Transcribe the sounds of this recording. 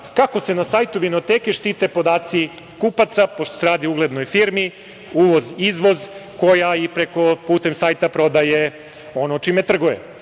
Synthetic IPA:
kako̞se̞nasaːjt̪uʋino̞t̪eːke̞ʃt̪iːt̪epo̞d̪aːt̪sikupat̪sapoʃt̪o̥seɾaːd̪iouɡle̞d̪no̞jfiɾmi | uʋo̞zizʋo̞zko̞jaipɾe̞ko̞puːt̪e̞msaːjt̪apɾo̞d̪aje | o̞not͡ʃime̞t̪r̩ɡujḛ

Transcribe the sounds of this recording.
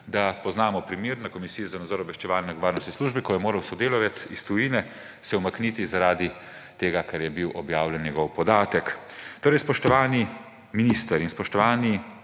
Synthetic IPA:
d̪apɔznaːmɔpɾimiːɾnakɔmisijɔzanad̪zɔːɾɔbʋɛʃt͡ʃɛʋaːlnɛnɛɡɔʋaːɾnɔst̪nisluːʒbikɔjɛmoːɾɐwsɔd̪eːlɔʋɛt̪sist̪ujiːnɛ | sɛwmaknit̪izaɾaːd̪i | t̪eːɡakaɾjɛbiwʔɔbjaːwljɛnjɛɡɔwpɔd̪aːt̪ɛk | t̪oːɾɛjspɔʃt̪ɔʋaːni | minist̪əɾinspɔʃt̪ɔʋaːni

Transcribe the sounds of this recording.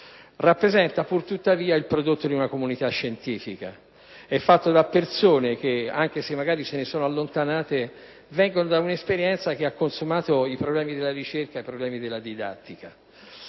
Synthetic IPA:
rapːɾezɛnt̪apurt̪ut̪ːaviːailpɾod̪ot̪ːod̪iunakomunit̪aʃːent̪iːfika̰ | ɛfːat̪ːod̪apːersoːnek̟ea̰ŋk̟esemːaɡaːɾisenesoːnoalːont̪anaːt̪e | vɛŋɡonod̪aunespeɾjɛnt̪sak̟eakːonsumaːt̪oipɾoblɛːmid̪elːaɾit͡ʃerkaipɾoblɛːmid̪elːad̪id̪a̰t̪ːika

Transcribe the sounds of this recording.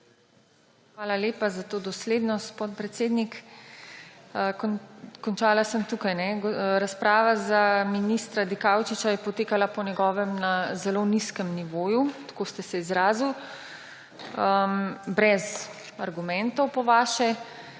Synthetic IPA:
xʋaːlaleːpazat̪oːd̪ɔsleːd̪nɔspɔt̪pɾɛt̪seːd̪nik | əkkɔnt͡ʃaːlasəmt̪ukajnɛɡɾaspɾaːʋazaminist̪ɾad̪ikawt͡ʃit͡ʃajɛpɔt̪eːkalapɔnʲɛɡɔːʋɛmnazɛloniskəmniʋoːjut̪kost̪ɛsɛizɾaːziw | əbɾɛz | aɾɡumɛnt̪ɔwpɔʋaːʃɛ

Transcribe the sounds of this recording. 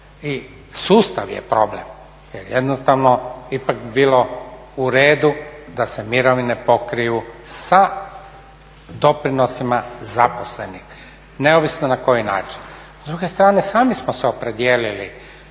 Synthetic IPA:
i | suːst̪aʋjḛpɾo̞ble̞̰m | jḛɾjed̪nost̪aʋnoipakbiːlo̞ | uɾeːd̪ud̪ase̞miɾoʋinepo̞kɾijusa | d̪o̞pɾino̞simazapo̞sle̞nix | ne̞oʋisnonako̞jina̰ːt͡ʃi̥n | zd̪ɾuɡe̞st̪ɾaːne̞saːmismoseopɾe̞d̪jeːlili

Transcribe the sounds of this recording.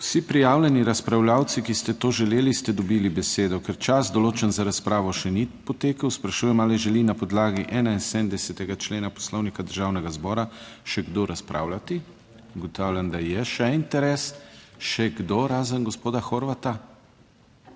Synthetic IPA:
wsipɾijaːwlʲɛniɾaspɾawlaːw̪sikist̪ɛt̪oːʒɛleːlist̪ɛd̪ɔbilibɛseːd̪ɔkɛɾt͡ʃazd̪ɔloːt͡ʃɛnzaɾaspɾaːʋɔʃɛnipɔt̪eːkəwspɾaʃuːjɛmalɛʒɛlinapɔd̪laːɡiʔɛːnainsɛnd̪ɛsɛt̪ɛɡat͡ʃleːnapɔ̥slɔwnikad̪əɾʒaːwnɛɡazbɔːɾaʃɛɡd̪oɾaspɾʔa̰ːwlat̪i | uɡɔt̪aːwlʲjand̪ajɛʃɛint̪ɛɾɛsʃɛɡd̪oɾaːzənɡɔspoːd̪axoɾʋat̪a

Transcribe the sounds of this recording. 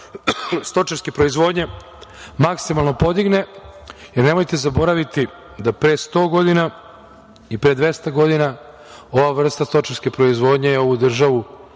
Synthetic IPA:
st̪o̞t͡ʃaɾskepɾo̞izʋo̞ːd̪ɲe̞ | maksimalˠno̞po̞d̪iɡne̞jeɾne̞mojt̪e̞zabo̞ɾaʋit̪i | d̪apɾest̪o̞ːɡo̞d̪ina | ipɾed̪ʋe̞st̪aɡo̞d̪ina | o̞ʋaʋr̩st̪ast̪o̞t͡ʃaɾskepɾo̞izʋo̞ːd̪ɲejeo̞ʋud̪r̩ʒaʋu

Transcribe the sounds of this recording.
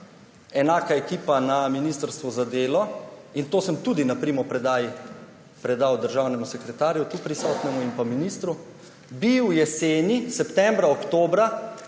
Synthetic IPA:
ɛnaːkaɛkiːpanaminiːst̪əɾst̪ʋuzad̪eːlɔint̪oːsəmt̪ud̪inapɾimɔpɾɛd̪aji | pɾɛd̪awd̪əɾʒaːwnɛmusɛkɾɛt̪aːɾjut̪upɾisɔːt̪nɛmuimpaminiːst̪ɾu | biwjɛseːnisɛpt̪ɛmbɾaokt̪oːbɾa

